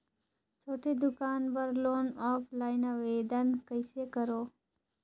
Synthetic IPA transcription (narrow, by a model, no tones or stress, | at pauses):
t͡ʃʰoːʈed̪ʊkaːnbəɾloːnɔːpʰlaːɪnaʋeːd̪ənkəɪsekəɾoː